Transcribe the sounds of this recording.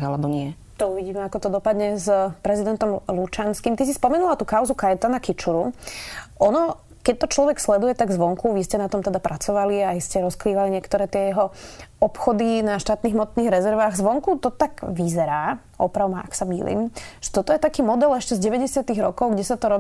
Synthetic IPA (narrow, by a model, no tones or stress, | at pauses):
alɛbɔɲɪɛ | t̪ɔuʋiɟiːmɛakɔt̪ɔd̪ɔpad̪ɲɛzpɾɛzid̪ɛnt̪ɔmlut͡ʃanskiːmt̪is̬ispɔmɛnulat̪uːkaʊzukajɛt̪anakit͡ʃuɾu | ʔɔnɔ | kɛc̚t̪ɔt͡ʃlɔʋɛkslɛd̪ujɛt̪aɡzʋɔŋkuʋiscɛnat̪ɔmt̪ɛd̪apɾʔat͡sɔʋaliaiscɛɾɔskɾiːʋaliɲɪɛkt̪ɔɾɛːt̪ɪɛjɛɦɔɔpxɔd̪inaʃt̪aːt̪niːɦmɔt̪niːɣɾɛzɛɾʋaːɣzʋɔŋkut̪ɔt̪aɡʋizɛɾaː | ʔɔpɾaʊmaʔaksamḭːlḭːmʒ̥ɛ̥t̪ɔt̪ɔjɛt̪akiːmɔd̪ɛlɛʃcɛzɟɛʋɛɟɛsɪat̪iɣɾɔ̰kɔʊɡɟɛsat̪ɔɾɔ